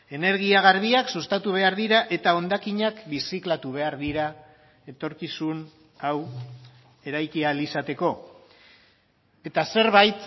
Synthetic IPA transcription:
e̞ne̞ɾɣ̞iaɣ̞aɾβ̞iaksust̪at̪uβ̞e̞aɾðiɾaʔe̞t̪ao̞nd̪akiɲakbisiklat̪uβ̞e̞aɾðiɾa | e̞t̪o̞ɾkisun | aw | e̞ɾajkialisat̪e̞ko̞ | e̞t̪ase̞ɾβajt̪

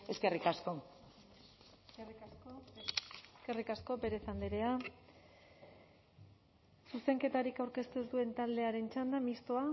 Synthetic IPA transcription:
eskerikasko | riso | eske̞rikasko̞be̞ɾe̞sand̪eɾe̞a | suse̞ŋke̞t̪aɾikawɾke̞st̪usd̪ue̞nt̪ald̪e̞aɾe̞nt͡ʃand̪amist̪oa

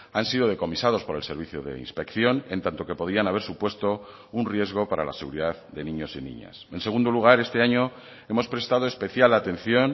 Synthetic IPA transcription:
ansiðo̞ðe̞ko̞misað̞o̞spo̞ɾe̞lse̞ɾβiθjoðe̞̰ḭnspe̞kθjo̞ne̞nt̪ant̪o̞ke̞po̞ðianaβe̞ɾsupwe̞st̪o̞ | unrje̞zɣ̞o̞paɾa̰la̰se̞ɣ̞uɾiðaððe̞nĩɲo̞sinḭɲa̰sense̞ɣ̞und̪oluɣ̞aɾe̞st̪e̞aɲo̞ | e̞mo̞spɾe̞st̪að̞o̞e̞spe̞θjalat̪ẽ̞n̟θjo̞n

